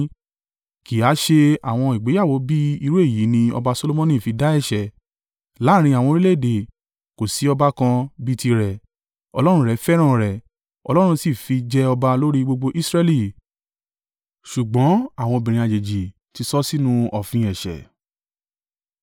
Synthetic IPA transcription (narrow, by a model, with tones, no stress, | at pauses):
ki˨a˨˦ʃe˧a˨w̃ɔ̃˧i˨ɡ͡be˨˦a˦˨wo˨˦bi˦i˧ɾu˦e˦˨ji˨˦nĩ˧ɔ̰˧ba˧so˧lo˦mɔ̃˦nĩ˦˨fi˧da˦ɛ˦˨ʃɛ˨ | la˨˦˨ɾ̃ĩ˧a˨w̃ɔ̃˧ɾi˦le˦˨de˨ | ko˨si˨˦ɔ˧ba˦kã˧bi˦ti˧ɾɛ˨ | ɔ˧lɔ˦ɾ̃ũ˦ɾɛ˨˦fɛ˦ɾ̃ã˦˨ɾɛ˨ | ɔ̰˧lɔ˦ɾ̃ũ˧si˦˨fi˧d͡ʒɛ˧ɔ˧ba˧lo˦ɾi˦ɡ͡bo˧ɡ͡bo˧ʔi˦sɾɛ˧li˦˨ | ʃu˨ɡ͡bɔ̃˨˦a˦˨w̃ɔ̃˧o˧bĩ˨ɾ̃ĩ˨a˨d͡ʒe˨d͡ʒi˨ | ti˧˦sɔ˦si˦nũ˦ɔ˨fĩ˧ɛ˨ʃɛ̰˨